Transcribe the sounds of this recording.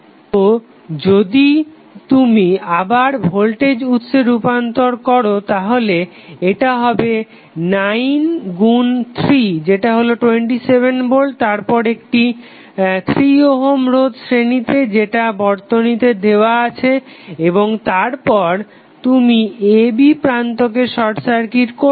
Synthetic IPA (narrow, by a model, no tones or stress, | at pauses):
t̪o | d͡ʑod̪i | t̪umiabaɾbʱolʈed͡ʑut̪ːʃeɾupant̪oɾkɔɾot̪aɦole | eʈaɦɔbe | najnɡunt̪ʰɾid͡ʑeʈaɦoloʈweɳʈisebʱenboɭt̪aɾpɔɾek̚ʈi | t̪ʰɾioɦomɾod̪sɾenit̪ed͡ʑeʈabɔɾt̪onit̪ed̪eoaat͡ɕʰeeboŋt̪aɾpɔɾ | t̪umiebipɾant̪ok̬eʃɔɾsaɾkiɾko